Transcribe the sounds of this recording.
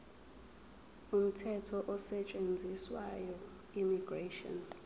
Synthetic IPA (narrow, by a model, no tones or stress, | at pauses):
um̩tʰɛtʰɔʔɔsɛt͡ʃʼend͡zʱiswa̰jɔ | imiɡ̥retɔ̰n